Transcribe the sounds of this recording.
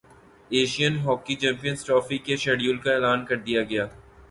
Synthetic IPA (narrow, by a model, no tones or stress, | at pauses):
eːʃijənɦɔːkit͡ʃɛ̃ːmpijənsʈɾɔːfikeʃɛːɖjuːlkaeːlaːnkɐɾd̪ijaɡɐjaː